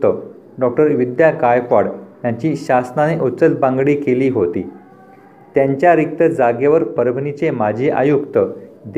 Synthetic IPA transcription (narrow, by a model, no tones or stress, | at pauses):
t̪ə | ɖɔk̚ʈəɾʋid̪jakajkɔɽj̪jaɲt͡ɕiːɕasnaneʔut͡sət͡sbãŋɡɽiːkeliːɦot̪ḭː | t̪jaɲt͡ɕjaɾik̚t̪əd͡zaɡjeʋəɾpəɾəbʱnit͡semad͡ʑʱiʔa̰jukt̪əd̪